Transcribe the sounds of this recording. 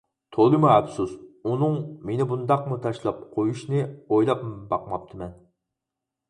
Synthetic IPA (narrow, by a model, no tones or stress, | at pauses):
t̪ʰolˠɨmuɛbsusunɨŋmenɪbund̪ɑqmut̪ʰɑʃlˠɑp̚qʰojuʃnɨojlˠɑpmbɑqmɑp̚t̪ʰɨmɛn